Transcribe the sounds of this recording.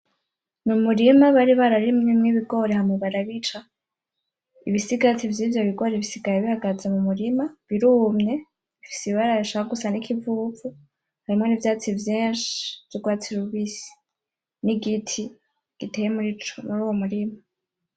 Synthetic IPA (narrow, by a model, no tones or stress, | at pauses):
numuɾimaβaɾiβaɾaɾimŋemŋiβiɡo̞ɾehamuβaɾaβit͡ʃa | iβisiɡat͡sivjiːvjo̞βiɡo̞ːɾeβisiɡaɾeβihaɡazemumuɾimaβiɾumɲe̞ | ifi̥siβaɾaβiʃaβaɡusanikʰivuvu | haɾimŋo̞nivjaːt͡sivjeːnʃi̥v̥joɡwaːt͡siɾuβisi̥ | niɡitʰi | ɡ̥itejemuɾit͡ʃmuɾuːwomuɾima